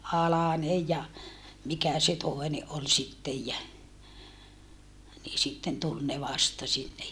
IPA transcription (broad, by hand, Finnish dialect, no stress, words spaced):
ɑlɑnej jɑ mikæ se toˑene ʔol sitːej jæ niː sitːen tul ne ʋɑstɑ sinːej